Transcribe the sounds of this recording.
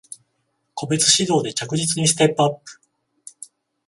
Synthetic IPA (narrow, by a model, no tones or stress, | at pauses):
ko̞be̞t͡sɨ̥ɕid̪o̞ːd̪e̞t͡ɕakɯ̟ʑit͡sɨɲ̟isɨ̥t̪e̞pːɯapːɯ̟̥